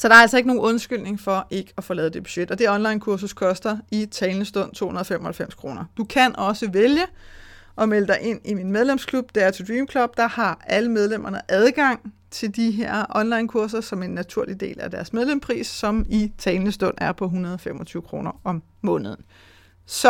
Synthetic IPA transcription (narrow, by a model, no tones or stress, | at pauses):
sɒ̽ɾ̥ɑ̈ɐæl̰sɒe̝ɡ̥no̝ːɔ̽nsɡ̥yl̰ne̝ŋfɒ̽ʔe̝ɡ̥əæfoːlɛːð̩ˠd̥e̝b̥y̥ɕed̥ɒ̽d̥e̝ɒ̽nlɑ̈ɪnkʰuɐs̬uskʰɒ̽sd̥ɐit͡sʰɛɪlnəsd̥ɔ̽n̰t͡sʰo̝̰ːhunɐð̩ˠfemɒ̽hælfem̰skʰʁo̝ːnɐd̥ukʰænɒ̽səʋeljə | ʔɒ̽meləd̥ɑ̈ɪʔe̝n̰iminmeð̞ˠlemskʰlub̥d̥eæɐt͡sʰed̥ʁiːmkʰlɔb̥̚d̥ɑ̈hɑ̈æləmeð̞ˠlem̰ɐnəʔæð̞ˠɡ̥ɑ̈ŋ̰ | t͡sʰe̝ld̥iɦeɐ̰ʔɒ̽nlɑ̈ɪnkʰuɐs̬ɐsɒ̽me̝nːæt͡sʰuɐ̰lid̥e̝̰ːlæd̥æɐsmeð̞ˠlem̰spʰʁḭːsːɒ̽mit͡sʰɛɪlnəsd̥ɔ̽n̰æɐpʰɒ̽ɦunʁɐð̞ˠɒfemɒ̽t͡sʰyːʊəkʰʁo̝ːnɐɒ̽mːɔ̽ːnəð̞ˠn̩ | sɒ̽